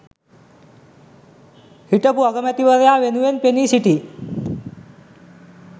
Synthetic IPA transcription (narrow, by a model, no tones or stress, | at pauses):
hiʈəpuəɡəmjat̪iʋəɾjaʋenuʋenpenisiʈi